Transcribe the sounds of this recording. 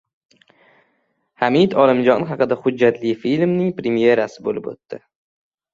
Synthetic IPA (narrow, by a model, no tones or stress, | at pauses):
hamid̪ɒlɪmd͡ʒɒnχɑqɨd̪ahʊd͡ʒːat̪lɪjfilmnɪŋpɾemije̞ɾasɪbolɪpo̰t̪ːɪ